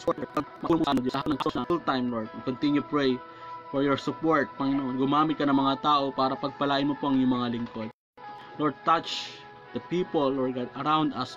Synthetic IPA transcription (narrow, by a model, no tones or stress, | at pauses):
ɐmɐnoɡɐɦanɐŋksonult̪ãjmloɹd̪ɐnkɔnt̪ɪ̃njʊpɹɛj | fɔɹjɔɹsʊpoɹt̪̚pɐŋɪnoʔonɡʊmaːmɪt̪̚kɐnɐŋmɐŋat̪aːʔo̞paːɾɐpɐɡ̚pɐlaːʔɪnmopoʔɐŋjʊŋmɐŋalɪŋkod̪̚ | loɹd̪̚t̪at͡ʃ | d̪̥ɐpiːpolːoɹɡad̪ɐɾãw̃nd̪ɐs